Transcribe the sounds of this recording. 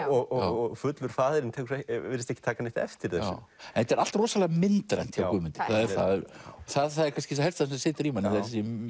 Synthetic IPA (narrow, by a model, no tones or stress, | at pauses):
ɔɣɔɔɣfʏt̪lʏɾ̥faːðɪɾɪnt̪ʰɛksɛɪɾɪst̪ɛçcɪ̥t̪ʰaːkanɪht̪ɛ̰ft̪ɪɾɛs | ɛ̃nhɛt̪ɛɾal̥t̪rɔːsalɛɣamɪnt̪ɾa̰jnt̪çjakʏːmʏnt̪ɪ̥kʰaðɛɾθaðɔθaðθaðɛɾkʰanscɪs̬hɛlst̪assɪːt̪ɾiːmanɪθasi